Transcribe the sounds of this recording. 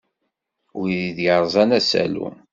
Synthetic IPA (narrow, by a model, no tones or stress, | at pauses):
ʊiðiðjəɾˤzˤɑnæsæ̰lṵ